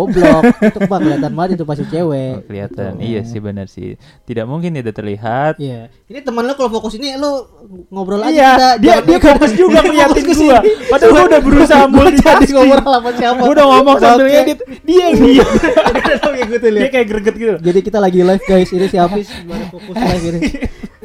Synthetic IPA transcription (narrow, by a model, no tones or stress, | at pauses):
oblɔk̚t̪ʊkbakkəliat̪anbat̪int̪upasit͡ʃewɛkəlḭa̰t̪a̰nḭja̰sɪ̰hbənə̰rsɪ̰h | t̪idaʔmuŋkɪnt̪id̪at̪ərlḭɦat̪ja | init̪əmənlokalofokʊsinilo | ŋobɾolad͡ʒjat̪adiadiakapɪsd͡ʒuɡaməliak̪ɪuduapadaluudahbəɾusaambut͡ʃadikomɔɾalamansiapaudahŋomɔŋsabəlaɲaia | diaiaaaɡəɡət̪̚lidiakajaɡəɾɡət̪̚ɡit̪ud͡ʒadikit̪alaɡilafɡajsinisiapɪsaafokʊsajfini